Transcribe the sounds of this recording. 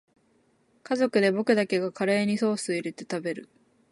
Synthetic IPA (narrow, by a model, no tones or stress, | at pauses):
kazo̞kɯ̟d̪e̞bo̞kɯ̟d̪ake̞ɡakʰaɾe̞ːɲ̟iso̞ːsɨiɾe̞t̪e̞̥t̪abe̞ɾɯ̟